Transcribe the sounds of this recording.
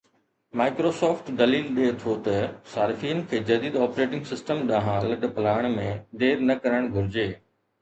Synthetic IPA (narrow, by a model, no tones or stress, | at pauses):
maːɪkɾosɔːfʈd̪ɐliːlɗeːt̪ʰot̪ɐsaːɾɪfiːənɪ̆kʰeːd͡ʑɐd̪iːd̪ɔːpɾeːʈɪ̃ŋɡsɪsʈəmɗ̪ãːɦãlɐɖpɐlaːəɽ̃mẽd̪eːɾnɐkɐɾəɽ̃ɡʱʊɾɪd͡ʑeː